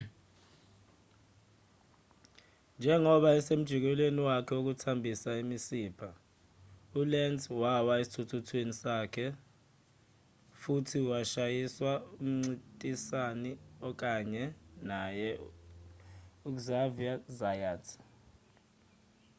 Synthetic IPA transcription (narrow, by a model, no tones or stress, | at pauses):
nd͡ʒʱɛŋɔɓaɛsem̩d̥ʒ̥ʱik̬wɛlweniwakʰɛok̬utʰambʱisaimisiːpʰa | ulɛntwawaesi̥tʰutʰutʰwenisaːkʰɛ | futʰiwaʃajiswaum̩ŋ͡ǀitʼisaniɔk̬ʼaɲɛnajɛ | uk̬zaviazajaːtʰ